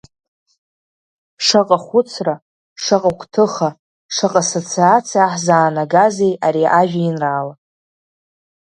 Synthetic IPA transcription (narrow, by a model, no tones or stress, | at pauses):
ʂaqʼaχʷʊt͡sʰra | ʂaqʼakʷʰʼtʰɨχa | ʂaqʼasot͡sʰiat͡sʰijaħzaːnaɡaze̞jaɾiʔaʒᶣainraːla